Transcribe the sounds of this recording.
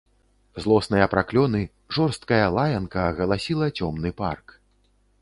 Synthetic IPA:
zlˠɔsnɐjɐpɾʔaklʲɔnɨ | ʐɔrst̪̚kɐjɐlˠajɐnkɐɣɐlˠasʲilˠɐt͡sʲɔmnɨpark

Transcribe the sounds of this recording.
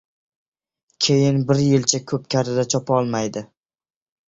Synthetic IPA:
kʲʰe̞jɪnbɪɾjɪlt͡ʃʰakʲʰɵp̚kʲʰaɾɪd̪at͡ʃʰɒpʰaɒlˠmajd̪ɪ

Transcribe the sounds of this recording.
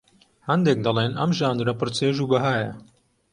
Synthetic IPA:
hɐnd̪eːk̚d̪ɐlˠeːnɐmʒaːnd̪ɾɐpɨɾt͡seːʒuːbɐɦaːjɐ̰

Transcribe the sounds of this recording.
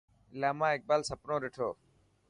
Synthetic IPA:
laːmãːɪk̚baːlsəpnõːɾɪʈʰoː

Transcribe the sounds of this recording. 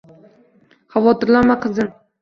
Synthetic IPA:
havɒt̪ʰɪɾlaɾmaqʰɨzɨn

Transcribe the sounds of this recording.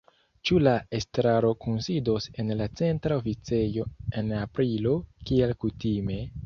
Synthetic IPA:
t͡ʃulae̞stɾaɾo̞kunsido̞se̞nlat͡se̞ntɾaofit͡se̞jo̞e̞napɾilo̞kielkutime̞

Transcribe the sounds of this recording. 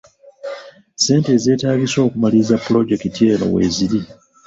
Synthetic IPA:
se̞ːnte̞ːze̞ːtaːɡiso̞ːkumaliːzapːulo̞ɟe̞ktitje̞ːlo̰we̞̰ːziɾi

